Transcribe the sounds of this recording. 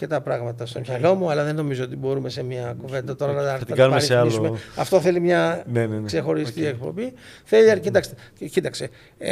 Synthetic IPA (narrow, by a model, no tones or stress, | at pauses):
ce̞t̪ɐpɾɐɣmɐt̪ɐst̪o̞mçɐlo̞muɐlɐðenːo̞mizoot̪ibo̞ɾume̞se̞miɐkuve̞nd̪ɐt̪o̞ɾɐnɐɐtiɡɐnumeɾisealouumeɐft̪o̞θe̞limɲɐnenekse̞xo̞ɾist̪iekpo̞̰biθeliɐcit̪ɐkst̪ecit̪ɐkse